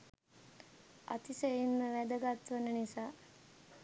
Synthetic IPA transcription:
a̰t̪iseinməʋæd̪əɡat̪ʋənənisaː

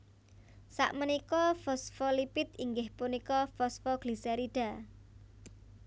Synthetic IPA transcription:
sa̰ʔmənikɔfɔsfɔlipɪt̪iŋɡɪhpunikɔfɔsfɔɡ̥lisɛɾiɖ̥a̤

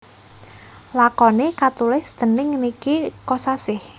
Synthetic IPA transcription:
lakɔnekat̪ulɪsd̪̥ə̤nɪŋːnikikɔsasɪh

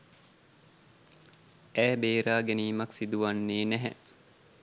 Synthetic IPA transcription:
æːbeːɾaːɡeniːmɐksid̪uʋanːeːnæɦɛ

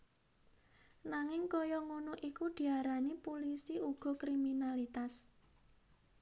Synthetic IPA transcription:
naŋɪŋkɔjɔŋunʊʔikud̪̥i̤aɾanipulisiuɡ̥ɔ̤kɾiminalit̪as

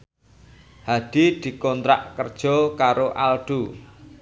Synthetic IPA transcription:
had̪̥i̤d̪̥i̤kɔnt̪ɾa̰ʔkərd̥ʒ̥ɔkaɾoʔalɖ̪̥u

